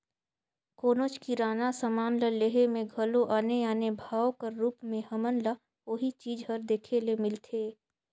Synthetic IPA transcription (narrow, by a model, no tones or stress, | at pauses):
koːnot͡ʃkiɾaːnasəmaːnləleɦemẽɡʱəloʔaːneaːnebʱaːokəɾɾuːpmẽhɐmənla | oɦit͡ʃiːd͡ʒɦəɾd̪eːkʰelemɪlt̪ʰeː